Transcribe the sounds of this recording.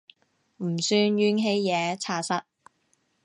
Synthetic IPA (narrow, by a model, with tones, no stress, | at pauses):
m̩˨˩syː˧nɥyː˧˥nɦe˧jːɛː˨˧t͡sʰaː˧sɐ˥t̚